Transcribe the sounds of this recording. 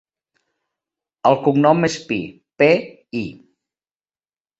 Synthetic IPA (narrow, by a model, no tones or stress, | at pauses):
əlˠkumnɔmespi | pe | i